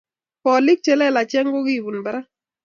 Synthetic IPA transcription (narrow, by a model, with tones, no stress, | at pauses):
pɔ˨li˦k̚t͡ʃɛ˨lɛ˦˨la˨t͡ʃɛ˦ŋɡo˦ɡi˦˨bu˨nba˨ɾa˦